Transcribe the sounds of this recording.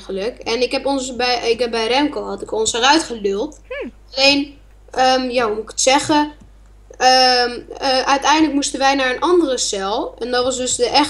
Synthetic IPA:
ələkɛnɪkɦɛpɔnsbɛɪkɛbɛjrɛmkohɔtɪkɔnsərœɥtχədølˠtaleːn | ʔəmjaumuɪkə̥tsɛɣə | ə | əʔœɥtɛjndələkmustənʋɛjnaɹənʔɔndərəsɛlˠɛndɔtʋɔsdøsdəʔɛx

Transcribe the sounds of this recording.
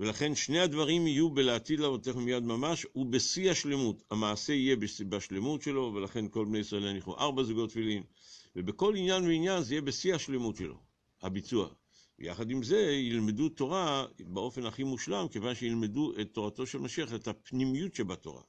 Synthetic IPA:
ve̞laχe̞nʃne̞advaʁimijubeleatid̪lavot̪eχumijad̪mamaʃhubesiaʃle̞muthamaːse̞ijebesbaʃle̞mutʃe̞lo̞velaχe̞nko̞lbnejisʁaelaniχṵʔa̰ʁbazuɡo̞tːfilimvebeko̞linjanveinjanzeijebesiaʃle̞mutʃḛlo̞̰ | ha̰bit͡sua̰ | vḛja̰χadimze̞jilme̞duto̞ʁabeo̞fe̞naχimuʃlamke̞vanʃeilme̞duʔet̪ːo̞ʁato̞ʃe̞lmaʃiaχetapnimijutʃebato̞̰ʁa̰

